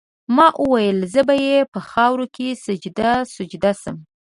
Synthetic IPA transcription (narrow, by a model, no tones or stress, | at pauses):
mɑʔəwajəlzəbajepəxɑwɾokesʊd͡ʒd̪asʊd͡ʒd̪asəm